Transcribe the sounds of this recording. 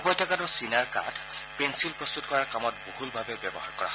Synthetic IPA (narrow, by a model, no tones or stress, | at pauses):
pɔjtʰakanɔsinaɹka̰tʰpɛnsilpɹɔst̪utkɔɹaɹkamɔtbohulbʱabɛbjɔbɔhaɹkɔɹa̰